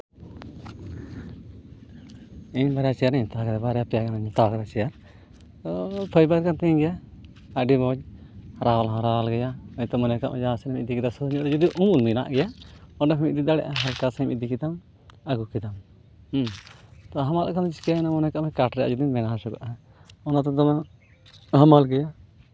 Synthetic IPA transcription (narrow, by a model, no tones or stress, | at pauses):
iɲbaɾɛjat͡ʃɛjaɾnɛɲt̪aɡɛd̪ɛbaɾɛjapɛjaɡɛnaɲt̪akɛɾat͡ʃɛjaɾ | t̪ɔpʰəjbaɾkant̪ɛɡɛja | aɖibɔɲɾawalɦɔ̃ɾaalɡɛjaɔɲt̪ɔmɔnɛka̰ʔmɛd͡ʒasɛnɛmiʔ̚d̪ikid̪asɔɲɔɾd͡ʒud̪iʔumulmina̰ʔɡɛjaɔɖapʰɛmḭc̚d̪id̪aɽɛ̰ʔaɦalkasamḭd̪ikid̪am | aɡukid̪am | t̪ɔɦamala̰ʔkʰand͡ʒkanamɔnɛkaʔmɛkaʈɾɛja̰d͡ʒud̪inbɛnasɔɡɔʔa | ɔnat̪ɔd̪ama | ɦəmalɡɛja